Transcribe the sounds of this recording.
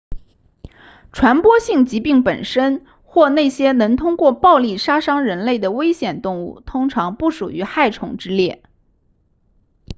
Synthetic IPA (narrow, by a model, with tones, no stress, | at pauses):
ʈ͡ʂʰwa˧˥npwɔ˥ɕi˥˩ŋt͡ɕi˧˥pi˥˩ŋpə˨˩nʂə˥n | xwɔ˥˧ne˥˩ɪɕjɛ˥nɤ˧˥ŋt̪ʰʊ˥ŋkwɔ˥˧pɑ˥˧ʊli˥˩ʂa˥ʂɑ˥ŋɻə˧˥nle˥˩ɪd̪ə˩we˥ɪɕjɛ˨˩nt̪ʊ˥˧ŋu˥˩t̪ʰʊ˥ŋʈ͡ʂʰɑ˧˥ŋpu˥˩ʂṵ˨˩y˧˥xa˥˩ɪʈ͡ʂʰʊ̰˧˥ŋʈ͡ʂɻ̩˥ljɛ˥˩